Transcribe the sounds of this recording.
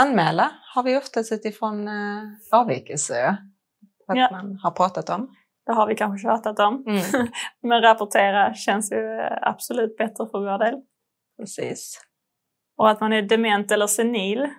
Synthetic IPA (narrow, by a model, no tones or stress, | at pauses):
anmɛːlahaɾvɪɔft̪at̪ʉt̪ɪfɾon | ɑːvɪ̰kəlsəɾa | aamanhaɾpʰɾɑːt̪at̪ɔm | d̪̥ɛɦaɾvɪkʰanɧəɕɑːt̪at̪ɔm | mɛnɾapʊʈʰeːɾaɕɛnsjɵa̰b̥sʊlʉ̟ːt̪̚bɛt̪ɾəfəɾvoːɖeːl | pʰɾɛsḭːs | ɔat̪manɛɖɛmɛnt̪ɛlːəsɛniːl